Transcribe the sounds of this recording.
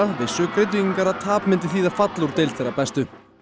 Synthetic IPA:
avɪsʏːkʰɾɪt̪̬icŋkaɾat̪ʰaːpmɪnt̪ɪθiːðḁfat̪luɾ̥t̪ɪlθɛɾapɛst̪ʏ

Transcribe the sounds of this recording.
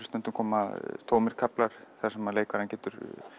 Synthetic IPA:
st̪ɛnt̪ːʏmkʰɔːmaðt̪ʰoːwmɪɾ̥kʰaplaɾ̥θḁsɛmaleːjkaɾhancɛːt̪ʏɾ

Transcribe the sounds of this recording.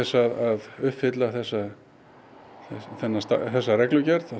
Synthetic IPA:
ɛsːaðaðʏhpfɪt̪laθɛsːa | θɛθɛnːast̪a̰θɛsːarɛklʏcɛɾða

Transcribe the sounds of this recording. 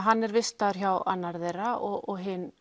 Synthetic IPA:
ɦanːɛɾvɪst̪aðʏɾ̥çawanːaɾðejɾaɔɔɣɦɪnː

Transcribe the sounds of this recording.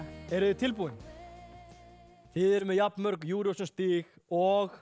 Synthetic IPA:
ɛɾðɪt̪ʰɪlp̬uːwɪn | θɪðɛɾmɛðjapnmœɾkjuːɾjowsʏnst̪iːɣɔɣ

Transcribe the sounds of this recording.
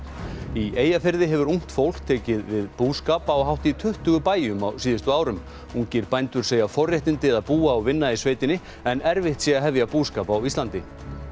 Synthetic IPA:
ieːjafɪɾðɪɦɛvʏɾuŋ̥t̪fowl̥kt̪ʰɛːcɪðvɪðpuːskaːpaɔɦawht̪it̪ʰʏht̪ʏɣʏpaːjʏmawsiːðɪst̪ʏaːwɾʏm | uŋcɪɾpajnt̪ʏɾ̥seːjafɔrjaht̪ɪnt̪ɪðaðpuːaɔvɪnːaisveːjt̪ɪnɪ | ɛnɛɾvɪht̪siaɦɛvjapuːskaːpawist̪lant̪ɪ

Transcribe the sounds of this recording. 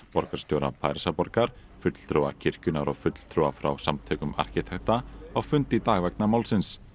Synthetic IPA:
pɔɾkaɾ̥st̪jowɾa̰pʰajɾsapɔɾkaɾ̥ | fʏt̪l̥t̪ʰɾuwa̰cʰɪr̥cʏnaɾɔɣfʏt̪l̥t̪ʰɾuwafɾa̰wsamt̪ʰœːkʏma̰r̥cɪt̪ʰɛxt̪aaɣfʏnt̪it̪aːɣvɛk̚namaːwlsɪns

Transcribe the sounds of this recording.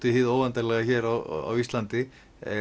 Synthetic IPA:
t̪ɪhɪðoːwvant̪aɾlɛɣaçɛɾawa̰wist̪lant̪ɪ | ɛ

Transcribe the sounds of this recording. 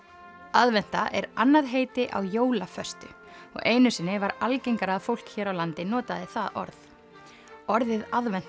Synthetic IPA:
aðvɛn̥t̪aʔɛɾanːaðɦeːjt̪ɪʔa̰wjoːwlafœst̪ʏ | ɔ̰ɣejnʏsɪnːɪvaɾalcejŋkaɾaðfowl̥kçɛːɾawlant̪ɪnɔːt̪aðɪθaðɔ̰ɾð | ɔɾðɪðaðvɛn̥t̪

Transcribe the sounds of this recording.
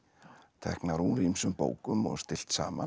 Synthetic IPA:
t̪ʰɛ̰hknaɾuɾimsʏmpo̰ːwkʏmɔ̰ɣst̪ɪl̥t̪sa̰ːman

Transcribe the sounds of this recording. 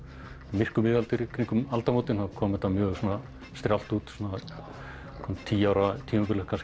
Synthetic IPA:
mɪr̥kʏmɪðalt̪ʏɾikʰɾiŋkʏmalt̪amowt̪ɪnhakʰɔːmɛt̪ːamjœːɣsɔːna | st̪ɾjawl̥t̪uːt̪sɔna | kʰɔmnt̪ʰiːawɾat̪ʰiːmapʏɾlɛkʰːas

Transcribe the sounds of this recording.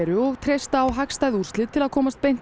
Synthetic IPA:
ɾʏɔɣt̪ʰɾejst̪aːwɦakst̪aːjður̥sɪt̪ʰɪlaðkʰɔːmast̪̚pejn̥t̪

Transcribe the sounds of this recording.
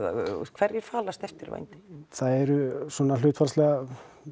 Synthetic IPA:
kʰv̥ɛɾjɪɾ̥faːlast̪ɛft̪ɪɾva̰jnt̪ɪ̥θaðɛɾʏsɔːnalʏːt̪faɾslɛɣa

